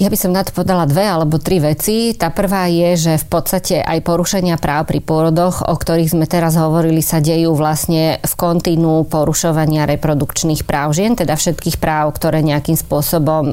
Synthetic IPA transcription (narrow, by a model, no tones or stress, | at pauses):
jabisɔmnat̪ɔ̥pɔʋɛd̪alad̪ʋɛalɛbɔt̪ɾiʋɛt͡sit̪aːpr̩ʋaːjɛʒɛfpɔt̪st̪acɛʔajpɔɾuʃɛɲɪapɾaːʊpɾipʊɔɾɔd̪ɔɣɔ̰kt̪ɔɾiːɣzmɛt̪ɛɾazɦɔʋɔɾilisaɟɛjuːʋlasɲɛfkɔnt̪inuːpɔɾuʃɔʋaɲɪaɾɛpɾɔd̪ukt͡ʃniːxpɾaːʊʒɪɛnt̪ɛd̪afʃɛt̪̚kiːxpɾaːʊkt̪ɔɾɛːɲɛakiːmspʊɔsɔbɔm